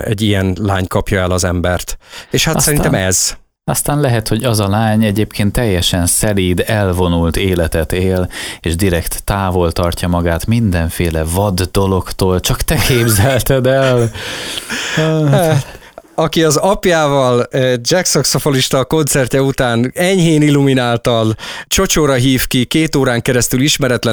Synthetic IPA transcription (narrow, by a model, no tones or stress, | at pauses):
ɛ̰ɟːijɛnlaːɲkɒpjɒɛlɒzɛmbɛrt̪eːʃhatsɛɾint̪ɛmɛz̥ | ɒst̪aːnlɛɦɛt̪ho̞ɟɒzɒlaːɲɛɟeːpkʰeːnt̪ːɛjːɛʃɛnsɛliːd̪ɛlvo̞nult̪eːlɛt̪ɛt̪eːleːʒd̪iɾɛkt̪ːaːvo̞lt̪ɒrcɒmɒɡaːt̪mind̪ɛɱfeːlɛvɒd̪ːo̞lo̞kt̪oːlt͡ʃɒkt̪ɛkʰeːbzɛlt̪ɛd̪ɛl | a | ɒkiɒzɒpjaːvɒld͡ʒɛksoksofoliʃt̪ɒko̞nt̪sɛrcɛut̪aːnɛɲɦeːnilːuminaːlt̪ɒlt͡ʃo̞t͡ʃoːɾɒɦiːfkikeːt̪oːɾaːŋkɛɾɛst̪yliʃmɛɾɛt̪lɛ